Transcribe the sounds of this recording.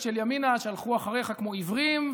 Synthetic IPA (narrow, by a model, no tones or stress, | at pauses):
ʃeljaminaʃalχuaχaʁeχakmo̞ivʁim